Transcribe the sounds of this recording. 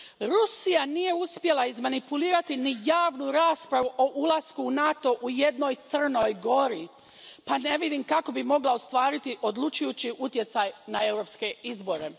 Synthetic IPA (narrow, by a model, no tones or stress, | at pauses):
ɾusijanije̞uspje̞laizmanipuliːɾat̪inijaːʋnuɾaːspɾaʋuʔo̞ʔulaskuːnat̪o̞ʔuje̞d̪no̞jt̪sr̩no̞jɡo̞ɾi | pane̞ʋid̪imkako̞bimo̞ɡlˠaost̪ʋaːɾit̪iʔo̞d̪lˠut͡ʃujut͡ɕiʔut̪je̞t̪sajnae̞wɾo̞ːpske̞izbo̞ɾe̞